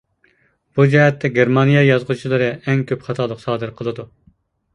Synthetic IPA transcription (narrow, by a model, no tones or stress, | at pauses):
b̥ud͡ʒɛɦɛt̪ʰːɛɡʲeɾmɑnijɑjɑzʁut͡ʃʰilˠɨɾɨɛŋkʲʰøpχɑt̪ʰɑlˠəqsɑːd̪ɨɾqʰəlˠɨd̪u